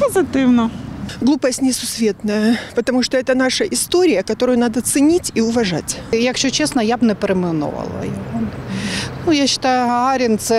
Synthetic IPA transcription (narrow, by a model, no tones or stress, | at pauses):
pəzɨt̪ɪwnɐɡlˠupəsʲtʲnʲɪsʊsvʲe̞t̪nəjɐpət̪ɐmuʂt̪oɛt̪ənaʂɐʔɪst̪oɾʲɪjəkɐt̪oɾʊjʊnad̪ɐt̪sɨnʲitʲiʊvɐʐa̰tʲjɐkɕot͡ɕesnɐjabnɛpɾɪmɨno̰vɐ̰lˠɐ̰jɐonnujaɕːɪ̥t̪ajʊaɾʲɪnt̪sɛ